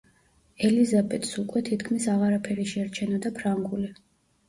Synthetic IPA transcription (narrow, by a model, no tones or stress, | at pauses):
ɛlizabɛt̪ʼsukʼwɛt̪ʰit̪ʰkʰmisaʁaɾapʰɛɾiʃɛɾt͡ʃʰɛnɔd̪apʰɾaŋɡuli